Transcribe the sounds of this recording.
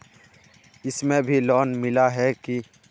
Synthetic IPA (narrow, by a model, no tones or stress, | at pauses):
ɪsmẽbʱilɔːnmɪlaɦɛki